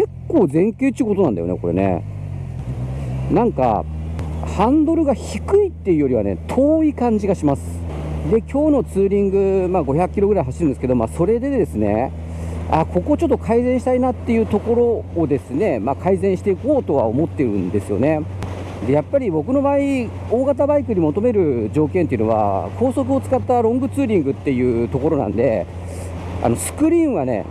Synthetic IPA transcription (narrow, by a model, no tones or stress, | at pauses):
ke̞kːo̞ːzẽ̞ŋkʲeːt̪ːiɯkooãnd̪ajo̰neko̞ɾe̞̰ne̞̰ | nãŋka̰ | hãnd̪o̞ɾɯ̟ɡaçikɯ̟it̪ːe̞jɯ̟jo̞ɾʲiβa̰ne̞̰t̪ʰo̞ːikãɲ̟d͡ʑiɡaɕimasɨ̥ | d̪e̞kʲo̞ːno̞t͡sɨːɾʲĩŋɡɯ̟maːɡo̞çakɯ̥kʲiɾo̞ɡɯɾaiɦaɕiɾɯnesɨke̞d̪o̞maːso̞ɾe̞d̪e̞d̪e̞sɨne̞̰ | ako̞ko̞t͡ɕo̞t̪ːokʰaizẽ̞ɰ̃ɕi̥t̪ainat̪ːe̞jɯ̟ːt̪o̞ko̞ɾo̞ːd̪e̞sɨne̞maːkʰaizẽ̞ɰ̃ɕi̥t̪e̞iko̞ːt̪o̞βa̰o̞mo̞t̪ːe̞ɾɯ̟̰̃nd̪e̞sɨjo̞̰ne̞ | d̪e̞japːaɾʲibo̞kɯ̟no̞bai | o̞ːɡat̪abaikɯ̟ɲ̟imo̞t̪o̞me̞ɾɯ̟d͡ʑo̞ːkẽ̞nt̪eiɯ̟no̞βa̰kʰo̞ːso̞k̬ɯ̟o̞t͡sɨ̥kat̪ːaɾõ̞ŋɡɯ̟t͡sɨːɾʲĩŋɡɯ̟t̪ːe̞jɯ̟ːt̪o̞ko̞ɾo̞nã̰nd̪e̞̰ | a̰no̞sɨ̥kɯ̟ɾʲĩːɰ̃βane̞̰